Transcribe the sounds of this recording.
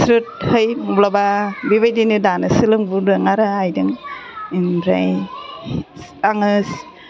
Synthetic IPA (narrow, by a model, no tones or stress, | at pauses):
sɾɯt̚hɯjmublababiβajdinɯdanɯsilɯŋbudɯŋaɾaajdɯŋinɾa̰j | aŋɯs